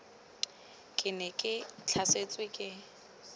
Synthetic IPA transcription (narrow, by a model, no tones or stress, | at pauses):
kʼɪnɛkʼɪt͡ɬʰaset͡sʼwɪkʼɪ